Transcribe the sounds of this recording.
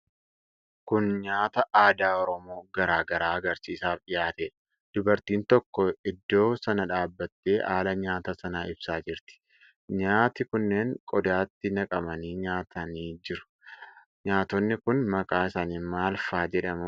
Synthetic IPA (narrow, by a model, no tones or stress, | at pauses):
kʊnɲaːt̪ɐʔaːd̪aːɔɾɔmo̞ːɡɐɾaːɡɐɾaːɐɡɐɾsiːsaːfᶑɪjaːt̪eːᶑɐ̥ | d̪̥ʊbɐɾt̪iːnt̪ɔkːɔɪd̪ːo̞ːsɐnɐᶑaːbːɐt̪ːe̞ːʔaːlɐɲaːt̪ɐsɐnaːɪb̥saːd͡ʒɪɾt̪ɪ̥ | ɲaːt̪ɪkʊnːe̞ːŋkʼɔd̪aːt̪ːɪnɐkʼɐmɐniːɲaːt̪ʰɐniːd͡ʒɪɾʊ̥ | ɲaːt̪ɔnːɪkʊnmɐkʼaːɪsaːniːnmaːlfaːd͡ʒɛᶑɐmʊ